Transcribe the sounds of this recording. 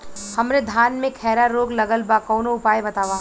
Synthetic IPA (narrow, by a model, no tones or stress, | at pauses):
hɐmɾed̪ʱaːnmẽkʰɛːɾaɾoːɡlɐɡəlbakɔːnoʊpaːjebɐt̪aːʋaː